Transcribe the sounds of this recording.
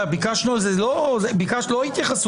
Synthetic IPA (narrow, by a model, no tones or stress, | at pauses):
abikaʃnualzelozebikaʃloit̪jaχas